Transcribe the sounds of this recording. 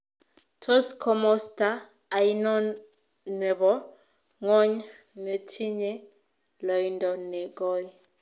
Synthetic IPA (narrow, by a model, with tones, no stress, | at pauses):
tʰɔ˦skʰɔ˨mɔ˦staː˦˨ | jnɔ˦n | nɛ˨βɔ˦ | ŋɔ˦ɲ | ne˨tʰi˦ɲɛ˦ | lɔ˨jindɔ˨nɛ˨ɡɔ˦j